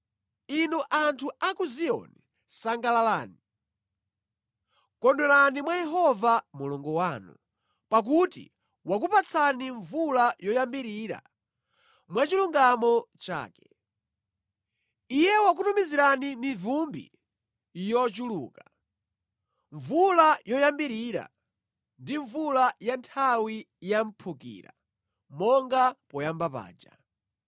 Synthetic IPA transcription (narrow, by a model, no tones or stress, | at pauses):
inuʔantʰuakuziɔ̰ni | saŋɡalala̰ːni | kɔndɔɾanimwajɛɦɔvamulɔŋɡɔwaːnṵ | pak̬utḭ | wak̬upat͡sʰaniɱvulajɔjambiɾiɾa̰ | mwat͡ʃiluŋɡamɔt͡ʃa̰ːkɛ̥ | ijɛwak̬utumiziɾanimivumbḭ | jɔt͡ʃulṵːka | ɱvulajɔjambiɾiɾa̰ | ndiɱvulajantʰawi | jam̩pʰukḭːɾa̰ | mɔŋɡapɔjambapa̰ːd͡ʒa